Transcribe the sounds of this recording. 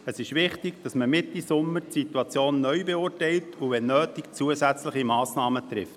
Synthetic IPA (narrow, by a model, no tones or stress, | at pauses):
əsɪʃʋɪχtɪɡd̥ɑsməmɪtːisʊmːəɾtsit̪uɑt͡sjoːnːœʏbeʊːrtɛɪltʰuʋɛnːøːtikt͡suəsæt͡sləχimɑːsnɑːmət̪ɾɪft